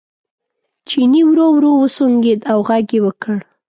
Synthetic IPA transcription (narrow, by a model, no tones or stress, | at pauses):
t͡ʃiniwɾowɾowəsoŋɡed̪awɣaɡewəkəɽ